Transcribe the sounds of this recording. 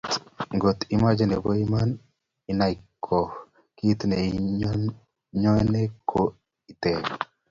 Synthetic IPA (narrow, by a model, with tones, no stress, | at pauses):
ŋɡo˨t̪i˦ma˦d͡ʒe˦ne˨bo˦i˦ma˦n | i˨na˦jkʰːɔ˨ | ki˦t̪nɛ˨ | ɲɔ˦nɛ˦kʰo˦ | i˨t̪ɛ˨